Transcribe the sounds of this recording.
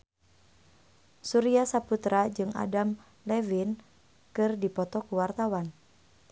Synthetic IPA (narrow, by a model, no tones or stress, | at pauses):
suɾiasaput̪ɾad͡ʒɨŋa̰dam | lɛvin | kɨrdipɔt̪ɔkuwart̪awan